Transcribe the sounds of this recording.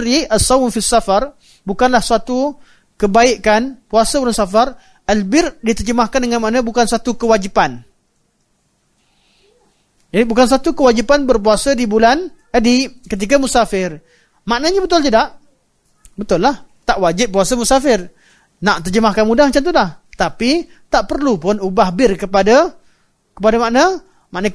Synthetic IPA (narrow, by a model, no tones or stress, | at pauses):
ɾiʔasːawmfisːafar | bukanlahsuat̪u | kəbaiʔkanpuasauɾansafar | ʔalbɪrdit̪ərd͡ʒəmahkandəŋanmanãbukansat̪ukəwad͡ʒipan | d͡ʒadibukansat̪ukəwad͡ʒipanbərpuasadibulan | ədikət̪̬ik̬amusafɪr | maʔnəɲəbət̪ʊlt̪ədaʔ | bət̪ʊlːaht̪aʔwad͡ʒɪp̚ːuasəmusafɪr | naʔt̪ərd͡ʒəmahkanmudahmat͡ʃamt̪udaht̪api | t̪aʔpərlupʊnubahbɪrkəpada | kəpadamaʔnə | maʔnə